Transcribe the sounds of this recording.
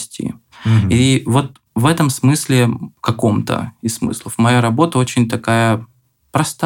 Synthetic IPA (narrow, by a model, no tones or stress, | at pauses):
sʲtʲḭ | ivo̞t̪̚ | vɛt̪əmsmɨsʲlʲɪkɐko̞mt̪ə̰ɪsmɨ̰slˠəfmɐjaɾɐbo̞t̪əot͡ɕɪnʲt̪ɐkajə | pɾɐst̪